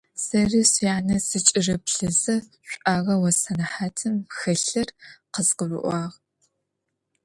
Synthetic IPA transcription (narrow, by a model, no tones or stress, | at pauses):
sɐrɨsjaːnɐsɨt͡ʃʼɪrɐpɬɨzɐɕʷʼʔaːʁɐwɐsɐnɐħaːtʰɨmxɐɬɐrqəzqəvɨ̰ʔʷɑːʁ